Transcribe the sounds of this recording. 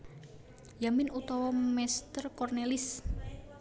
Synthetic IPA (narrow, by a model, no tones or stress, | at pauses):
jamɪnut̪ɔwɔmɛst̪ərkɔrnelɪs